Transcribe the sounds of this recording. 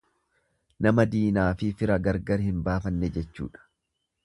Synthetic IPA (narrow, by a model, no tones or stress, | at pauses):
nɐmɐd̪iːnaːfɪfɪɾɐɡɐɾɡɐɾhɪmbaːfɐnːɛd͡ʒɛt͡ʃːṵːᶑɐ̥